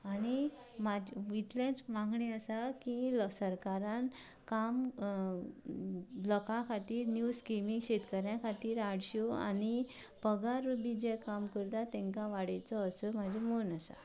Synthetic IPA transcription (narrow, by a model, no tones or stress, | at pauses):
añimad͡ʑʋit̪lãt͡sʋãŋɡɳiəsakilsəɾkaɾan | kam | ləkãkʰat̪iːɾnjuskimiŋɡɕet̪kəɾɳjakʰat̪iːɾaɽɕoa̰ni | pəɡaɾubid͡ʑekamkəɾt̪at̪ɛ̃ŋkaʋaɽajt͡sɔəsɔmad͡ʑʱimonasa̰